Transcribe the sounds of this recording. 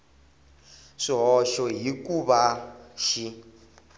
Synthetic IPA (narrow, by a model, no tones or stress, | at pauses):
ʂiɦɔʃɔɦikuβaʃi